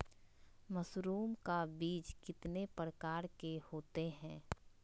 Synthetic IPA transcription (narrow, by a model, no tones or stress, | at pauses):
məsɾuːmkabiːt͡ʃkɪt̪nepɾəkaːɾkehoːt̪eɦɛ̃ː